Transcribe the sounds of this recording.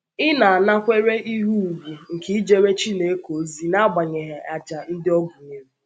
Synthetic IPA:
ɪ˦na˨a˨na˦kʷe˦ɾe˦ʔi˦ɦu˦u˨ɡʷu˨ŋ̩˨ki˨˦i˦d͡ʒe˨ɾe˦t͡ʃi˦ne˨e˦ko˨˦zi˦na˦a˦ɡ͡ba˨ɲe˨ɦa˨ʔa˨t͡ʃa˨n̩˦dɪ˦ɔ˦ɡʷu˨ɲe˨me˦

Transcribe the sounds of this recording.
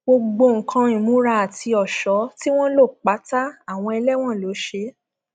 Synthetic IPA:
ɡ͡bo˧ɡ͡bo˧ŋ̩˨kʰã˧ĩ˨mũ˨˦ɾa˧˦a˨tʰi˧ɔ˨ʃɔ˨˦ti˦w̃ɔ̃˦lo˦˨k͡pa˨˦ta˦a˨w̃ɔ̃˧i˧lɛ˦w̃ɔ̃˦˨lo˨˦ʃe˧˦

